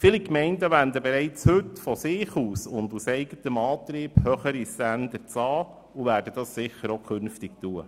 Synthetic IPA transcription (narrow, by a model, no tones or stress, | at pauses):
fiːlikmɛɪndəʋændəbeɾɛɪt͡shɵtfɔsɪːχuːsʊndusɛɪɡ̥ətəmɑːt̪ɾiːb̥hœχəɾisændəɾt͡sɑː | uʋæːɾd̥əd̥ɑssɪχːəɾokʰɵnftɪk̚tuə